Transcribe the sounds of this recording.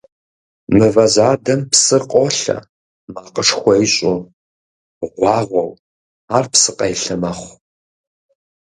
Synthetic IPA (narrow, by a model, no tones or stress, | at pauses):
mɨvɐzaːdɐmpsɨqʷʼɔɬɐ̰ | maːqəʂxʷɔjɪɕʼʊ | ʁʷɑːʁʷɔw | aːrpsɨqʼɐjɬɐmɐχʷ